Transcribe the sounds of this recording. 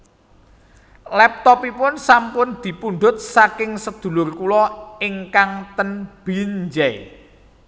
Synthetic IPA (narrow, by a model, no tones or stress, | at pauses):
lɛp̚t̪ɔpipʊnsampʊnd̪̥i̤punɖ̪ʊt̪̚sakɪŋsəd̪̥ṳlʊrkulɔɪŋkaŋt̪ənb̥iɲd͡ʒɛ